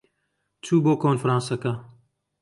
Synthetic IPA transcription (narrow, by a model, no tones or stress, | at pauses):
t͡ʃʰuːboːkʰoːnfɾɑ̃ːnsɐkɐ